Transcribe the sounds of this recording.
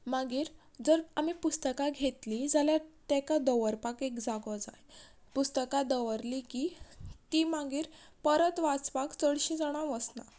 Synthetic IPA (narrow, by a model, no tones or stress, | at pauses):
maɡiːɾ | d͡zəɾamipust̪əkaɡʱet̪lid͡zaljat̪ɛkad̪əʋəɾpakekd͡zaɡɔd͡za̰j | pust̪əkad̪əʋəɾlikit̪imaɡiːɾ | pəɾət̪ʋat͡spakt͡səɽɕĩd͡zaɽ̃aʋəsna̰